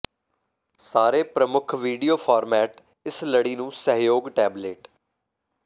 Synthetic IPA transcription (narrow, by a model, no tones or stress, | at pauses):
saːɾeːpɾəmʊkʰʋiːɖijoːpʰaːɾmɛːʈ | ɪsləɽiːnũːsəɦjoːɡʈɛːbleːʈ